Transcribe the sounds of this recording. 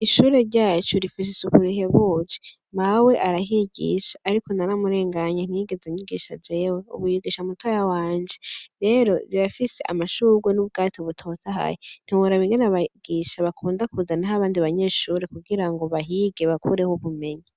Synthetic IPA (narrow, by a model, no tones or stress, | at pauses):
iʃuːɾe̞ɾɟaːt͡ʃuɾifis̬isukuɾiɦe̞βud͡ʒi̥ | mawe̞ʔaɾaɦiɡḭʃḁʔːɾiko̞naɾamuɾe̞ːŋɡaɲen̥iɡe̞zeɲiɡiʃad͡ʒeweṵβuiɡiʃamutwajawaːɲd͡ʒe̞ɾe̞ɾo̞ɾiβafise̞ʔa̰maʃuɡwenuβɡaːtiβutʰo̞ːtʰaɦa̰jen̥iwoɾaβiŋɡenaβaɡ̥iːʃaβakʰuːndakuzanaɦaβaːndiβaɲe̞ːʃuːɾe̞kuɡiɾaŋɡo̞βaɦiɡe̞βakʰuɾe̞hoβume̞ɲi